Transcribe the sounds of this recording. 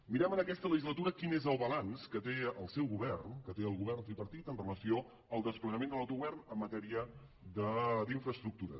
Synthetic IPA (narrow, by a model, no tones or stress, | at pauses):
miɾɛmənəkɛst̪ələʒizlət̪uɾəkinezəlˠβəlanskət̪eəlˠsɛwɣuβɛrnkət̪eəlˠɣuβɛrnt̪ɾipəɾt̪it̪ənrələsio | əlˠd̪əspləɣəmẽnd̪əlawt̪uɣuβɛrnəmːət̪ɛɾiə | d̪əd̪iɱfɾəst̪ɾuk̚t̪uɾə̰